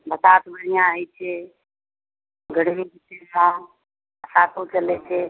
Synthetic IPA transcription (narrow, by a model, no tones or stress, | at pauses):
bət̪at̪bəɽijãəit͡ʃʰe | ɡʱəɽ̤mĩkit̪esã | əsãːt̪õt͡ʃəlet͡ʃʰeː